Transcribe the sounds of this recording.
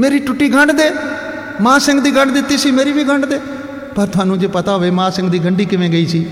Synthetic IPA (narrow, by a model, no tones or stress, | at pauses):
meːɾiːʈʊʈːiːɡʱəɳɖd̪eː | mãːsɪ̃ŋɡd̪iːɡəɳɖd̪ɪt̪ːiːsiːmeːɾiːbiːɡʱəɳɖd̪eː | pəɾt̪ʊaːnũːd͡ʒeːpət̪aːɦoeːmãːsɪ̃ŋɡd̪iːɡəɳɖiːkɪʋẽːɡəiːsiː